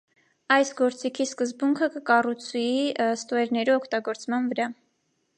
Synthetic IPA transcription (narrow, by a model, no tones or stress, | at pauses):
ɑjsɡɔɾt͡sikʰiskəzbuŋkʰəkəkɑrut͡sʰuist̪ɔɛɾnɛɾiɔkʰt̪ɑɡɔɾt͡smɑnvəɾɑ